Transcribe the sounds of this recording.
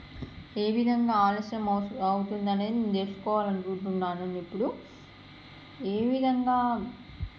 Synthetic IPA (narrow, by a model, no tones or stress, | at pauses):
e̞ːʋid̪ʱɐŋɡaːaːlɔːʃjɐmɐwut̪und̪ɐneːd̪d͡ʒeːsu̥kɔːʋaːlɐnit͡ʃuːɳʈuɳʈaːnunipːuɽu | eːʋid̪ʱɐŋɡaː